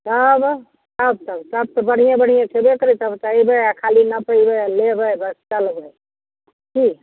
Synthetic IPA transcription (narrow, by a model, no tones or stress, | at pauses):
t̪əb | t̪əb̚t̪əbt̪əb̚t̪ɔbəɽ̤ijãbəɽ̤ijãt͡ʃʰebekəɾit̪əbt͡ʃ̪aibəjakʰalinəpəibəjlebəjbəst͡ʃəlbəj | ki